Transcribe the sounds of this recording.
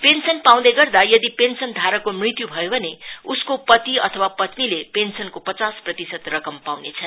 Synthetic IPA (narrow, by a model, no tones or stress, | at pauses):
pensʌnpaw̃d̪eɡʌrd̪ajʌd̪ipensʌnd̪ʱaɾʌkomrit̪jubʱʌjobʱʌneuskopʌt̪iʌt̪ʰʌwapʌt̪nilepensʌnkopʌt͡sasprʌt̪isʌt̪rʌkʌmpawnet͡sʰʌn